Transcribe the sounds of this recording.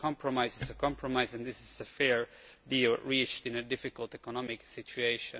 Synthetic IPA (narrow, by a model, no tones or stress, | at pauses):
kʰɔ̃mpʰɹɔmaɪzɪzəkʰɔ̃mpʰɹɔmaɪzɨ̃nðɪsɪzəfɛɹ | dilˠɹit͡ʃtɪ̃nɨdɪfɪkəlˠtɛkɔnɔmɪksɪt͡ʃueɪʃə̃n